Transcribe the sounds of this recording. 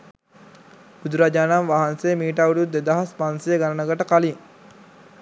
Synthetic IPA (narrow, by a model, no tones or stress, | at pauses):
b̥ud̪uɾad͡ʒaːnamʋaɦansejəmiːʈ̬awuɖut̪ːed̪aɦaspansejəɡanənəɡɐʈəkaliŋ